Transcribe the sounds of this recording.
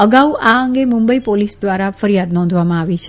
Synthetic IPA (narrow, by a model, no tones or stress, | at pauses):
əɡauaəŋɡemʊ̃mbəipolisd̪ʋaɾafəɾijad̪nɔ̃nd̪ʱʋamãaʋit͡ʃʰe